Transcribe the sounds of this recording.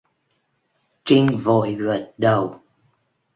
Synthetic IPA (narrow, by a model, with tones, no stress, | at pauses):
t͡ɕi˧ŋvo̰˧˨jɣə˨˩t̚ɗə˨˩w